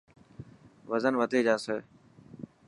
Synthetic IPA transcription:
ʋəzənʋət̪ʰeːd͡ʒaːsəː

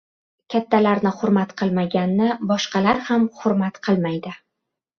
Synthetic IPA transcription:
kʲʰat̪ʰːalaɾnɪχʊɾmat̪qʰɨlˠmaɡʲanːɪbɒʃqɑlaɾhamχʊɾmat̪qʰɨlˠmajd̪ɪ

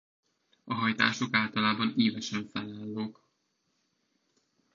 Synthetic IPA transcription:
ɒɦɒjt̪a̰ːʃo̞kaːlt̪ɒlaːbɒniːvɛʃɛɱfɛnːaːlːoːk

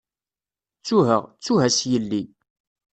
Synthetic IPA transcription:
t͡sːuɦə̰ʁt͡sːuɦæsjəlːi

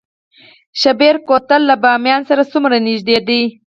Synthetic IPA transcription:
ʃabeɾkot̪alːabɑmjɑnsaɾasumɾanɪʒd̪ed̪i

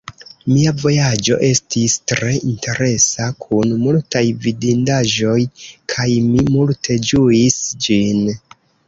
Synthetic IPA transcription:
miavo̞jad͡ʒo̞̰ʔe̞stistɾe̞ʔintʰe̞ɾe̞sakʰunmultajvidindaʒo̞jkʰajmimultʰe̞d͡ʒuisd͡ʒin

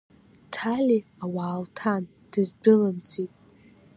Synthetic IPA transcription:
tʰalʲi | awaːltʰan | d̥ɨzbɨlɨmt͡sitʼ

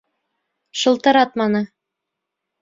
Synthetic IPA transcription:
ʃɤ̆lˠt̪ɤɾɑt̪̚mɑnɤ

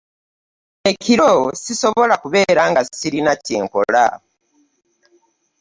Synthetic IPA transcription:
e̞ciɾosiso̞βo̞lakuβe̞ːɾaŋɡasiɾinaceːŋko̞̰la̰

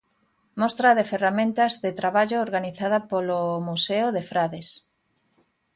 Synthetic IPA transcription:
mɔst̪ɾɐðeferamẽnt̪ɐzðet̪ɾaβaʎʊːɾɣaniθaðɐpolomuseʊðefɾaðes

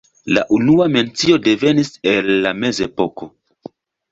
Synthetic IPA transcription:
la̰ʔunuame̞nt͡sio̞de̞ve̞nise̞lːame̞ze̞po̞ko̞

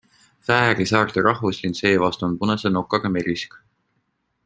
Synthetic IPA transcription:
fæːɾisɑːrt̪iɾʔɑhvuslinse̞ːvɑst̪unpunɑseno̞kːˑɑɡ̥ɑmeɾisk

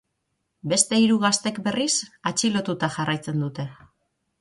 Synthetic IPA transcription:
be̞st̪e̞iɾuɣast̪e̞kbe̞risat͡ʃilo̞t̪ut̪aʝarajt͡se̞nd̪ut̪e̞

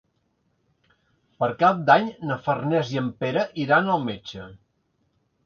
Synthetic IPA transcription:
pəɾkap̚d̪aɲnəfərnɛziəmpeɾəʔiɾanəlˠmet͡ʃə

